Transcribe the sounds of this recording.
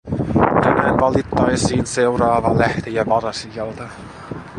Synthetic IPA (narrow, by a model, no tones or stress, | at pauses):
t̪ænæːnʋɑlit̪ːɑjsiːnseurɑːʋɑlæht̪ijæʋɑrɑsijɑlt̪ɑ